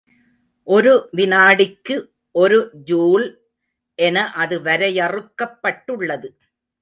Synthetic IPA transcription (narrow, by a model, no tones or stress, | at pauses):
ʔɔɾɯʋɪnaːɽɪkːɯ | ʔɔɾɯd͡ʒuːl | ʔɛnɐʔɐðɯʋɐɾɐjɐrɯkːɐpːɐʈːɯɭːɐðɯ